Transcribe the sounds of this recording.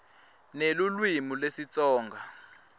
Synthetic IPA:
nelulwimulesit͡sʼɔːŋɡʱa

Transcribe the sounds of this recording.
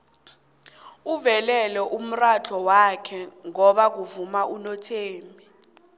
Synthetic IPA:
uvɛlɛlɛʔum̩rat͡ɬʰɔwakʰɛŋɔɓak̬uvumaʔunɔtʰeːmbʱi

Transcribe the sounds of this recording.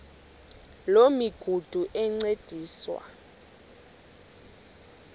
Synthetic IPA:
lomiɡ̥ʱud̥ʱuʔɛŋ͡ǀed̥ʱiːswa̰

